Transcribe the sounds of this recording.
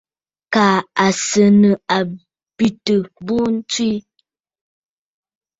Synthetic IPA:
kaː˨a˨sə˨nə˨a˨ | bi˨tə˨bu˦n̩˦t͡swi˦

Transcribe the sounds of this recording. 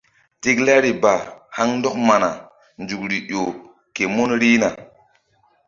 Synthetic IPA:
ti˦kla˦ɾi˨ba˨ha˦ŋn˦do˦k̚ma˨na˨ | nd͡ʒu˨k̚ɾi˨ʔo˨ | ke˨mo˦nɾi˦na˨

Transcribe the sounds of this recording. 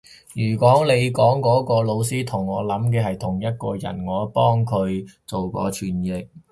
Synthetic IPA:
jyː˨˩kɔː˨˥ŋle˨˧jkɔː˨˥ŋkɔː˨˥kɔː˧lo˨˧wsiː˥t̪ʰʊ˨˩ŋːɔː˨˧lɐ˨˥mkɛː˧ɦɐ˨jt̪ʰʊ˨˩ŋjɐ˥t̚kɔː˧jɐ̰˨˩nŋɔː˨˧˥pɔː˥ŋkʰɵ˨˧ɥt͡so˨wkɔ̰ː˨˧t͡ʃʰyː˨njɪ˨k̚

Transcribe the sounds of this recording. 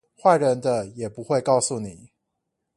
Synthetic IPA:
xwa˥˩ɪɻə˧˥nd̪ə˧jɛ˨˩pu˧˦xwe˥˧ɪkɑ˥˧ʊsu˨ni˨˩˦

